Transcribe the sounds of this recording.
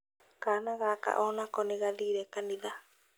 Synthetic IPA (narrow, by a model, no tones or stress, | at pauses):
kanãɣaka̰ʔonãkonĩɣaliɾekanĩða